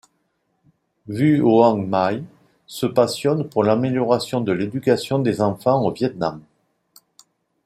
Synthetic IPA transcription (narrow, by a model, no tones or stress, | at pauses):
vyoɑ̃maj | səpasjɔnpuʁlameljɔʁasjɔ̃d̪əled̪ykasjɔ̃d̪ezɑ̃fɑ̃ovjɛt̪nam